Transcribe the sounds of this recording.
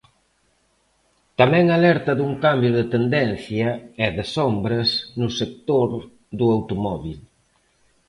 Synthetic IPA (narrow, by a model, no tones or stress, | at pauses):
t̪amɛ̃ŋalɛɾt̪ɐðuŋkambjʊðet̪end̪ɛn̟θjɐɛðesombɾɐsnʊsek̚t̪oɾ | ðuawt̪omɔβil